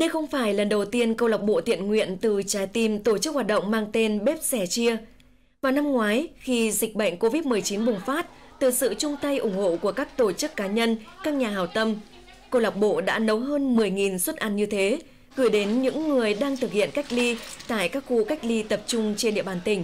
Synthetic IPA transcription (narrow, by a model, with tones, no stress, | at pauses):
ɗə˧jxə˧wŋ͡mfaː˧˩jlə˨˩nɗə˨˩wt̪i˧ənkə˧wla˨˩wk͡p̚ɓo̰˧˨t̪ḭ˧˨ənŋwḭ˧˨ənt̪ɨ˨˩t͡ɕaː˨˦jt̪i˨˩mt̪o˧˩t͡ɕɨ˦˥k̚hwaː˨˩ɗə̰˧˨wŋ͡mmaː˧ŋt̪e˧nɓe˦˥p̚sɛ˧˩t͡ɕi˧ə | vaː˨˩wna˧mŋwaː˨˦jxi˧zï˨˩k̟̚ɓə̰˧˨ŋ̟ko˧vi˦˥t̚mɨ˨˩əjt͡ɕi˨˦nɓʊ˨˩ŋ͡mfaː˦˥t̚ | t̪ɨ˨˩sɨ̰˧˨t͡ɕʊ˧ŋ͡mt̪a˧jʔʊ˨˧˩ŋ͡mho̰˧˨ku˧˩əkaː˦˥k̚t̪o˧˩t͡ɕɨ˦˥kːaː˨˦ɲə˧nkaː˦˥k̚ɲaː˨˩ɦaː˨˩wt̪ə˧m | kə˧wla˨˩wk͡p̚ɓo̰˧˨ɗa̰ː˧˥nə˨˦wɦəː˧nmɨ˨˩əjŋi˨˩nswə˦˥t̚ʔa˧nɲɨ˧t̪ʰe˨˦ | ɣɨ˧˩jɗe˨˦nɲɨ̰˧˥ŋːɨ˨˩əjɗaː˧ŋt̪ʰɨ˨˩k̚hḭ˧˨ənka˦˥jk̚li˧t̪a̰ː˧˨jkaː˦˥k̚xṵ˧ka˦˥jk̟̚li˧t̪ə˨˩p̚t͡ɕʊ˧ŋ͡mt͡ɕe˧nɗḭ˧˨əɓaː˧˩nt̪ï˨˩ŋ̟